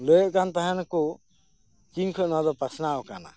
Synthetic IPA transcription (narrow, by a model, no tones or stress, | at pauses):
ləjɔʔkant̪aɦanakɔ | kiŋkʰɯʔnɔd̪ɔpasnawka̰na̰